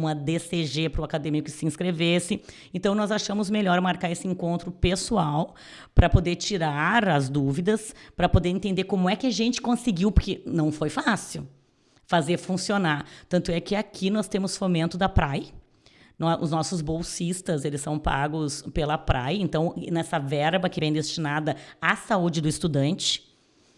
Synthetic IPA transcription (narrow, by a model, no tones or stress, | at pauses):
ũɐd̪eseʒepɾʊakad̪ẽmikʊkɪsɪĩskɾevesɪ | ẽnt̪ɐ̃w̃nɔzaʃɐ̃mʊzmeʎɔɾmaɾkaɾesɪẽŋkõnt̪ɾʊpesuaw | pɾɐpod̪eɾt͡ʃiɾaɾɐzd̪uvid̪ɐspɾɐpod̪eɾẽnt̪ẽnd̪eɾkõmʊɛkɪaʒẽnt͡ʃɪ̥kõsɪɡiwpʊɾkenɐ̃w̃fojfasiw | fazeɾfũsionaɾt̪ɐ̃nt̪ʊɛkɪakʰinɔst̪ẽmʊsfomẽnt̪ʊd̪ɐpɾajɐ | nɔʊ̰znɔsʊzbowsist̪ɐzelɪsːɐ̃w̃pa̰ɡʊspelɐpɾʔa̰jɐẽnt̪ɐ̃w̃nɛsɐvɛɾbɐkɪvẽj̃d̪est͡ʃinad̪ɐasaud͡ʒɪd̪ʊɪst̪ud̪ɐ̃nt͡ʃɪ̥